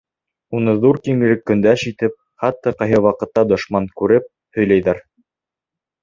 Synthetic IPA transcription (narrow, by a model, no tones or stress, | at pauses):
unɤðuɾkiŋɘ̆ɾɘkːɵ̆nd̪æʃit̪ɘp̚ | χɑt̪ːɑqɑjɦɤwɑqɤ̆t̪ːɑd̪ŏʃmɑŋkʉɾɘp̚ | hɵ̆jlæjðæɾ